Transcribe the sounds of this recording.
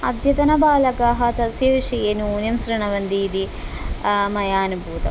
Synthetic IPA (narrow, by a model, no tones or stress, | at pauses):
ɐ̰d̪ʱjɐt̪ɐnɐbaːlɐkaːɦɐt̪ɐsjɐʋiʂɐjeːnuuːnjɐmsɾɐɳɐʋɐnd̪iːd̪i | mɐjaːnubuːt̪ɐ